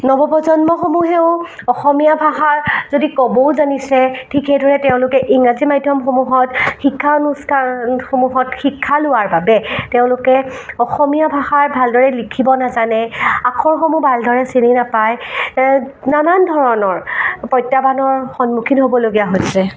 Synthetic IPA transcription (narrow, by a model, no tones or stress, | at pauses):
nɔbɔpɔzɔnmɔxomuɦɛʊ̃ | ɔxɔmijabʱaɦaɹzodikɔboʊzanisɛtʰikʰejdʱɔɹɛtɛʊ̃lʊkɛʔiŋazimajdʱjɔmxomuɦɔtxikʰːaonuskaxomuɦɔtxikʰːalʊaɹbabɛtɛʊ̃lʊkɛɔxɔmijabʱaxaɹbʱaldɔɹɛlikʰibɔnazanɛakʰɔɹxomubʱaldʱɔɹɛsininapaj | nanandʱɔɹɔnɔɹpɔjtabanɔɹxɔnmukʰinɦobɔloɡijaɦojsɛ